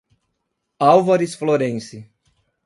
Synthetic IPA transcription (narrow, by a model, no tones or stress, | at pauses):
awvaɾisfloɾẽsɪ